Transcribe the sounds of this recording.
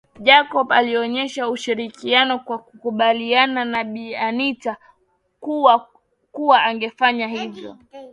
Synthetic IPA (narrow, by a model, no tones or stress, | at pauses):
ʄakɔpa̰liɔɲɛʃauʃiɾikianɔkwakukuɓaliananaɓianita | kuwa | kuwaaŋɡɛfaɲaɦivjɔ̰